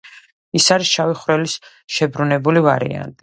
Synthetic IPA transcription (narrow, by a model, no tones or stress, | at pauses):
isaɾisʃaviχɾɛlis | ʃɛbɾunɛbulivaɾḭa̰nt̪ʼi